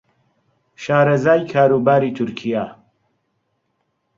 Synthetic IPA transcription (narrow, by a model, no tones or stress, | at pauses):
ʃaːɾɐzaːjkʰaːɾuːbaːɾiːt̪ʰʊɾkʰijaː